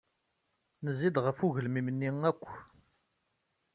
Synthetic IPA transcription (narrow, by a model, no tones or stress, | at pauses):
nəzːid̪ʁəfuʝəlmimnːiŋækʷː